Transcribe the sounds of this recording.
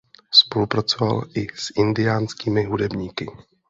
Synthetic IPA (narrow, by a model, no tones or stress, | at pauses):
spo̞lupɾat͡so̞va̰lʔɪsʔɪndɪjaːnskiːmɪɦudɛbɲiːkɪ